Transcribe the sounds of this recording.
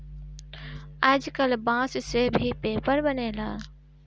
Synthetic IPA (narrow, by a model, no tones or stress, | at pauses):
aːd͡ʒkəlbãːssebʱipeːpəɾbənelaː